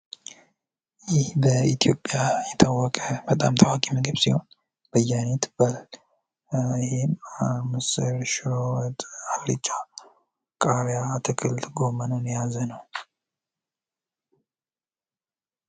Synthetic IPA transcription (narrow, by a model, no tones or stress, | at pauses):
jɪhbəit̪ʰijo̞pʼjajɛt̪ʰawːɔkʼəbət̪ʼamt̪ʰawakʼimɨɡɨβsiho̞n | b̥əjːanet̪b̥al | ɪhemɨsɨɾʃowt̪ʼaɾḭt͡ʃʼːa | kʼaɾjat̪ʰɨkʰɨlt̪ɡo̞mənəwnjazənəw